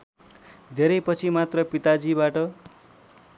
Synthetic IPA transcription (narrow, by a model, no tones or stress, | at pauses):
d̪ʱeɾʌjpʌt͡sʰimat̪rʌpit̪ad͡zibaʈʌ